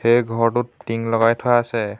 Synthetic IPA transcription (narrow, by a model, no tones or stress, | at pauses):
xejɡʱɔɹtʊtːiŋlɔɡajtʰɔaːsɛ